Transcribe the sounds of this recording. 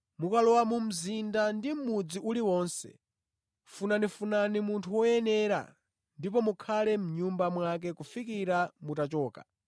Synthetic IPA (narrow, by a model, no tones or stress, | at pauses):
mukalɔwamum̩zindandim̩mud͡ziʔuliwɔːnsɛ̰ | funanifunanimuntʰuwɔjɛnɛɾa̰ | ndip̬ɔmukʰalɛm̩ɲumbamwak̬ɛkufikiɾamutat͡ʃɔːka̰